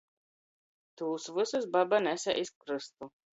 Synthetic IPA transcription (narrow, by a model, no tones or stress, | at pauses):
t̪uːsvɨsɨs̬babanɛsʲaʔiskɾɨst̪u